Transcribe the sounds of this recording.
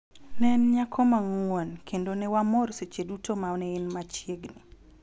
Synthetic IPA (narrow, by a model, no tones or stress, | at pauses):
nɛnɲakʰɔmaŋwuonkʰendonewamɔɾset͡ʃedutomaɔnɛɪnmat͡ʃjeɡni